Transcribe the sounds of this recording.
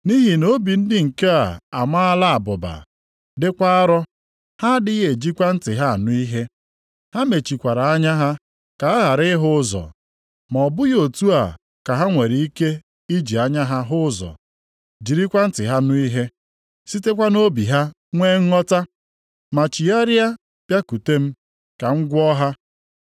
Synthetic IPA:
ni˦ɦi˨no˦bi˨n̩˦dɪ˦ŋ̩˨ke˦a˨a˨ma˦a˦la˦a˨bʊ˨ba̰˨ | dɪ˦kʷa˦a˦ɾɔ˦ | ha˦dɪ˦ɣe˨d͡ʒi˦kʷa˦n̩˦tɪ˨ɦa˦˨nʊ˦i˦ɦe˦ | ha˦me˨t͡ʃi˨kʷa˨ɾa˨a˦ɲa˦ɦa˦ | ka˨a˦ɣa˨ɾɪ˦ɦʊ˦zɔ̰˨ | mɔ˨bʊ˦jo˨tu˦a˨ | ka˨ɦa˦ŋʷe˨ɾi˨i˦ke˦ | i˦d͡ʒi˨a˦ɲa˦ɦa˦ɦʊ˦zɔ̰˨ | d͡ʒi˨ɾi˦kʷa˦n̩˦tɪ˨ɦa˦nʊ˦i˦ɦe˦ | si˦te˦kʷa˦no˦bi˨ɦa˦ | ŋʷe˦ŋ̩˦ŋɔ˦ta˦ | ma˨t͡ʃi˨a˦ɾja˦ | pja˦ku˨te˦m̩˦ | ka˨ŋ̩˦ɡʷɔ˦ɦa˦

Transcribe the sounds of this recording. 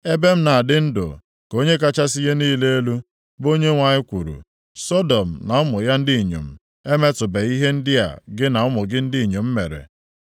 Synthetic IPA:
e˦be˦m̩˦na˨a˨dɪ˦n̩˦dʊ̰˨ | ko˦ɲe˦k̬a˦t͡ʃa˦s̬i˦je˦niː˦le˦e˦lu˦ | bo˦ɲe˦ŋʷa˨ɲɪ˦kʷu˨ɾṵ˨ | sɔ˦dɔ˨m̩˨na˨ʊ˦mʊ˨ja˦n̩˦di˦i˨ɲṵ˨m̩˨ | e˦me˦tʊ˨be˨i˦ɦe˦n̩˦dɪ˦a̰˨ɡɪ˦na˨ʊ˦mʊ˨ɡɪ˦n̩˦di˦i˨ɲo˨m̩˦me˨ɾḛ˨

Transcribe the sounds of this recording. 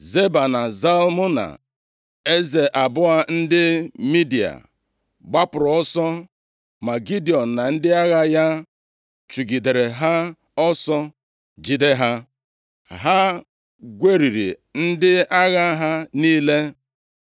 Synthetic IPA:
ze˦ba˨na˨za˦lmʊ˦na̰˨ | e˦ze˨ʔa˨bʊ˦a˦n̩˦dɪ˦mi˦di˨a̰˨ | ɡ͡ba˦pʊ˨ɾɔ˨ɔ˦sɔ˦ | ma˨ɡi˦di˨ɔ˨n̩˨na˨n̩˦dɪ˦a˦ɣa˦ja˦ | t͡ʃu˨ɡi˨de˨ɾe˨ɦa˦ | ɔ˦sɔ˦ | d͡ʒi˦de˦ɦa˦ | ɦa˦ | ɡʷe˦ɾi˨ɾḭ˨ | n̩˦dɪ˦a˦ɣa˦ɦa˦niː˦le˦

